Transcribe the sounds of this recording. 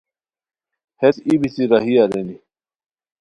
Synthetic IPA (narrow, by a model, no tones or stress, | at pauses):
het̪ibʱisiɾaɦiaɾeni